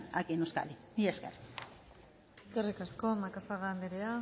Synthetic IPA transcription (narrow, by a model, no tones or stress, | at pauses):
a̰kienuska̰li | iesker | eskerikasko̞makasaɣand̪eɾea